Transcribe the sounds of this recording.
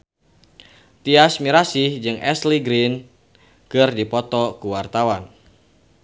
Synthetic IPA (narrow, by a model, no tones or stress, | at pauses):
t̪iasmiɾasihd͡ʒɨŋʔɛ̰sliɡɾin | kɨrdipɔt̪ɔkuwart̪awan